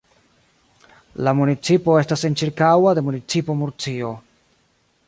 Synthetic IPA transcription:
lamunit͡sipo̞e̞stase̞nt͡ʃiɾkawade̞munit͡sipo̞muɾt͡sio̞

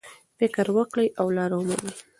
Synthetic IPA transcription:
fɪkɾwəkɽəjʔawlɑɾawmanij

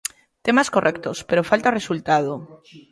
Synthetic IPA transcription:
t̪emaskorʔɛkt̪ospeɾofalt̪aoresult̪að̞o

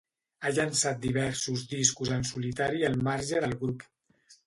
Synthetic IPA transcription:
aʎansat̪̚d̪iβɛɾsuzd̪iskuzənsulit̪aɾiəlˠmaɾʒəðəlˠɣɾup

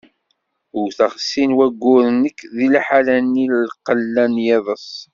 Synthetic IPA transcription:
ʊwθəʁsːinwæɡːʊɾənəkːðilæħalænillqəlːænjɑðˤəs

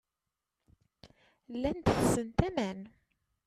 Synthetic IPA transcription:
lːænt̪əfsənt̪æmæn

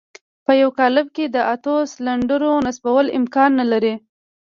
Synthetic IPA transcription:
pəjawkɑlɪb̚ked̪əʔat̪oslaɳɖəɾonasbawəlɪ̰mkɑnːalaɾi

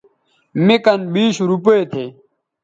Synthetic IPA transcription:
mekɐnbiːɕɾupɐet̪ʰeː

